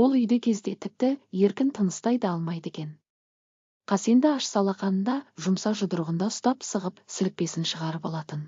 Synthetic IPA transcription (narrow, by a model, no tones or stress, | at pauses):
wo̞lˠʏjd̪ekʲʰe̞zd̪e̞t̪ʰɪp̚t̪ɪje̞ɾkʲɪnt̪ʰənəst̪ɑjd̪əɑlˠmɑjd̪e̞kʲe̞n | qʰɑse̞nd̪ɪɑʃsɑlˠɑqɑnənd̪ɑʒʊmsɑʒʊd̪əɾʁənd̪ɑʊst̪ɑpsəʁəpsɪlk̚pe̞sɪnʃəʁɑɾəbolˠɑt̪ən